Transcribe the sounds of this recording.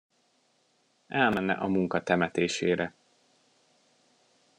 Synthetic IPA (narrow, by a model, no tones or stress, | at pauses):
ɛlmɛnːɛ̰ʔɒmuŋkɒt̪ɛmɛt̪eːʃeːɾɛ